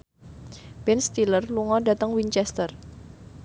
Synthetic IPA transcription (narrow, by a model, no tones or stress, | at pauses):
b̥ɛnst̪ilərluŋɔda̤t̪əŋwiɲt͡ʃɛst̪ər